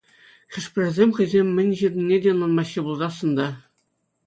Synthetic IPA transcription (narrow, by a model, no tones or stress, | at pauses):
χʲɘ̆ʂpʲɘ̆rʲɘrʲzʲemʲχʲɘ̆zʲemʲːɘ̆nʲʑĭd̪ʲɘ̆nʲːedʲenːˠɑnmɑɕːɯbulˠzɑsɤ̆nd̪ɑ